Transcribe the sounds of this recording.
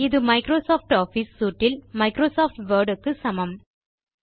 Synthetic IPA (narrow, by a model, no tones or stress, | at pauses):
ɪðɯmɐɪkɾoːsoːfʈoːfisːuːʈːɪlmɐɪkɾoːsaːfʈʋɐːɾɖɯkːɯsɐmɐm